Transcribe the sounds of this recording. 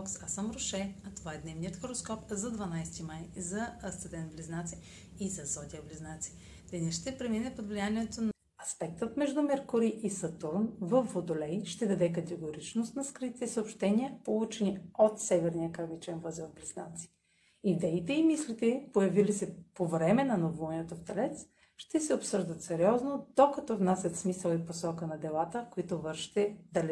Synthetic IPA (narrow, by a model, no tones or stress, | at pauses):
ksasəmɾoʃɛɐt̪ovaɛd̪nɛvnijət̪xoɾoskɔpzɐd̪vɐnajst̪imajzɐst̪ɐd̪ɛnbliznat̪si | izɐzɔt̪ʲiəbliznat̪si̥ | d̪ɛnʲɛʃt̪ɛpɾɛminɛpod̪vlijaniɛt̪on | ɐspɛkt̪ət̪mɛʒd̪ʊmɛɾkoɾiʔisɐt̪uɾnvəfːod̪olɛjʃt̪ɛd̪ɐd̪ɛk̬ɐt̪ɛɡoɾit͡ʃnost̪nɐskɾit̪ʲt̪ɛsəopʃt̪ɛniəpolˠut͡ʃɛniot̪sɛvɛɾnijəkavit͡ʃɛnvəzɛblisnat̪si̥ | id̪ɛit̪ɛimislit̪ɛipojɐvilisɛpovɾɛmɛnɐnovuniɛt̪oft̪ɛlɛt̪s | ʃt̪ɛsɛopsɤʒd̪ət̪sɛɾiɔznod̪okɐt̪ɔvnasʲjɐt̪smisəlˠiposɔkənɐd̪ɛlˠat̪əfkoit̪ovɤɾʃi̥t̪ɛd̪lɛ